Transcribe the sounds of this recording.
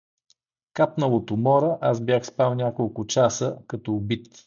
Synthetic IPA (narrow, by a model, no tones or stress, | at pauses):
kapnəlˠot̪omɔɾɛʔasbʲjaxspɾalˠnʲakolˠkʊt͡ʃasəkɐt̪ɔːbit̪